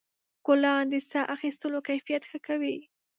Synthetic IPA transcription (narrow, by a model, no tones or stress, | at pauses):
kʊlɑnd̪əsaʔaxist̪əlokajfijat̪xəkawi